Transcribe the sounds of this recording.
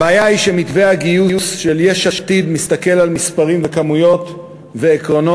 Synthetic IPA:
beajaiʃe̞mit̪veaɡijuusʃeljeʃaʃt̪id̪mist̪ake̞lalmispaʁimvekamujo̞t̪ | ve̞ːkʁo̞no

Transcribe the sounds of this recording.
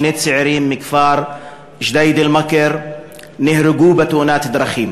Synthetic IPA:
neːt̪sɪʕɾiːmːɪkfɑːɾˤ | ʒd̪aːjd̪ɪlmakɑɾ | nɪhɾɪɡuːbat̪uːnaːt̪ɪd̪ɾˤɑxiːm

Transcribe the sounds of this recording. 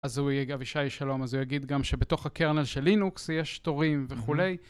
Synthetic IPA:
azhujaviʃaiʃalo̞mazujaɡid̪ɡamʃe̞bet̪o̞χhakeʁnelʃe̞lːinuksjeʃt̪o̞ʁimve̞χule̞j

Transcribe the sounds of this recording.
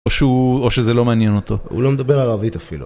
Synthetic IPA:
oʃeuoʃezelo̞meanjeno̞t̪o̞ṵlo̞medabeʁalavit̪afilṵ

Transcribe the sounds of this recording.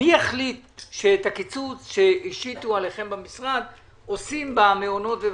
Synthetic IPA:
ieχlit̪ʃet̪akit͡sut͡sʃeiʃitualeχe̞mbamisʁad̪ | osimbameono̞t̪ve

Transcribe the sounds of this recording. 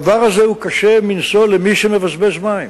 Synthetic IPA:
vaʁazeukaʃeminso̞lemiʃemevasbeʃmaim

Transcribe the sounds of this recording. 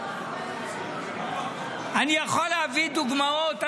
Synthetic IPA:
anijaχolaːvid̪uɡmaot̪a

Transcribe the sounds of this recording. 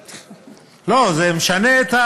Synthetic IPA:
lozemeʃaneet̪ha

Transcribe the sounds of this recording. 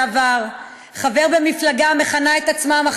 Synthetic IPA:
vaʁ | χave̞ʁbe̞miflaɡame̞χanae̞t̪at͡smamaχ

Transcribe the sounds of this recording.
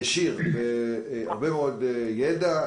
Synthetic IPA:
ʃiʁvea̰ʁbemeod̪jed̪a

